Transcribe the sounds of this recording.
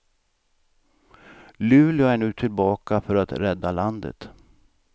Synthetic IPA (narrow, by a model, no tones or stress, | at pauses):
lʉ̟ːlɪʊæɳʉ̟ːt̪ʰɪlbɑːkafœɾat̪ɾɛd̪ːaland̪ə̰t̪